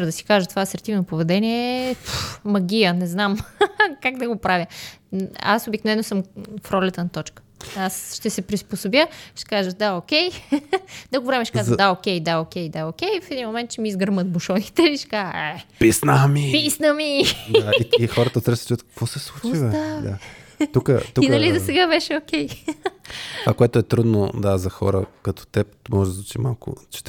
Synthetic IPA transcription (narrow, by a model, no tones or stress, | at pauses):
ɾd̪ɐsi̥kaʒət̪ovaːsɛɾt̪ivnopovɛd̪ɛniɛpmɐɡʲijənɛznamkaɡd̪ɐɡopɾavʲjə | a̰sobiknovɛnosɤmfɾɔlʲɛt̪ənɐt̪ɔt͡ʃkə̥asʃt̪ɛsɛpɾisposobjəʃt̪ɛ̥kaʒəd̪aokʲɛj | d̪ɐɡovɾɛmɛʃkazd̪aokʲɛjd̪aokʲɛjd̪aokʲɛjfɛd̪inmomɛnt̪t͡ʃɛmiːzɡəɾmət̪̚buʃɔnʲit̪ɛiʃkaɛpisnəmipisnəmid̪aiixɔɾət̪ət̪ɾɛst͡ʃuət̪kə̥kv̥ɔsɛslˠut͡ʃuiəad̪at̪ukət̪uinɐlizɐsɛɡabɛʃɛokʲɛj | t̪vakoɛt̪ʊɛt̪ɾud̪nod̪azɐxɔ̰ɾə̰kɐt̪ɔ̥t̪ɛp̪mɔʒɛd̪zˠut͡ʃimalˠkʊ̰t͡ʃɛ̥t̪